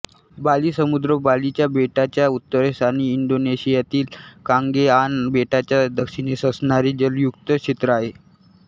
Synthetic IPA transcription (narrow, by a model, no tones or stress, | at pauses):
baliːsəmud̪ɾəbalit͡ɕjabeʈat͡ɕjaut̪ːəɾesaniːɳɖoneɕijat̪iːlkãŋɡeanbeʈat͡ɕjad̪əkʂinesəsɳaɾiːd͡ʑəljukt̪ət͡ɕʰit̪ɾəaɦe